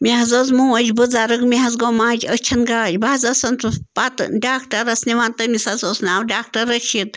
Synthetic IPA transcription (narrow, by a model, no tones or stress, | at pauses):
mʲiɦɐzɐzmuəd͡ʒʲbɨd͡zaɾɨkmiɦɐzɡomãːd͡ʒɐt͡ʃʰɐnɡad͡ʒʲbaːzɐsɐnt͡spat̪ɖaːkʈɐɾɐsniʋant̪ɐmisɐt͡sɐsnaːwɖaːk̚ʈɐɾɐt͡ʃʰit̪